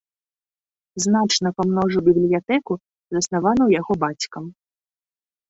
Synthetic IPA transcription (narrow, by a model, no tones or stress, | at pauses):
znat͡ʂnɐpamnɔʐubʲiblʲijat̪ɛku | zɐsnavanɐwjaɣɔbat͡sʲkɐm